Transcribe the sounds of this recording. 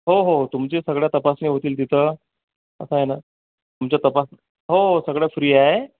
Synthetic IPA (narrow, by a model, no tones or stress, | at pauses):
ɦoɦot̪umt͡ɕesəɡɭjat̪əpasneːɦot̪iːlt̪it̪ʰə | ə̰saɦena | t̪umt͡ɕjat̪əpas | ɦoɦosəɡɽjafɾiːaɦe